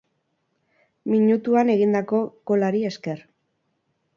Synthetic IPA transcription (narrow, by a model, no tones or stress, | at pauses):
miɲut̪uane̞ɣ̞ind̪ako̞ko̞laɾie̞ske̞ɾ